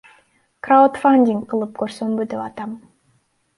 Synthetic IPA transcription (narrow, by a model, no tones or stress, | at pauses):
kraut̪fanʲdʲiŋk̚qɯlˠɯp̚køɾsømbyd̪epɑt̪ɑm